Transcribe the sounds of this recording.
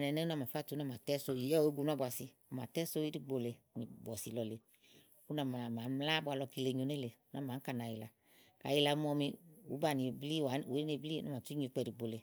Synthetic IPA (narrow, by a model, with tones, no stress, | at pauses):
nɛ˨˧˨nɛ˦u˦na˨˧ma˨fa˦˨tu˨˦na˧˨ma˨tɛ˦so˧˦ji˨˦ɔ˦˨e˦ɡu˧nu˦bʷwa˧˨si˧ | ɔ˨ma˨tɛ˦so˦i˦ɾi˧ɡ͡bo˧le˧˨ni˨bɔ˨si˨lɔ˧le˧ | u˦na˨ma˨maː˨˦mla˦bwa˧lɔ˧ki˧le˧ɲo˧˦ne˦le˧˨u˦na˨˧˨maː˨˦ka˧˨na˨˧˨ji˨˧la˨ | ka̰˨ji˧la˧˦mɔ˧mi˧u˨˦ba˧˨ni˨bli˦˨a˨˦˨u˨˦e˧bli˦na˨m˨a˨u˦ɲe˧k͡pɛ˧ɾi˨ɡ͡bo˧le˧